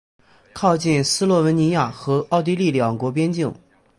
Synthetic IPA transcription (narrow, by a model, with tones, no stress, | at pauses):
kʰɑ˥˧ʊt͡ɕi˥˩nsɹ̩˥lwɔ˥˩wə˧˥nni˧˥ja˥˩xɤ˧˥ɑ˥˩ʊt̪̬i˥li˥˩ljɑ˨˩ŋkwɔ˧˥p̬jɛ˥nt͡ɕi˥˩ŋ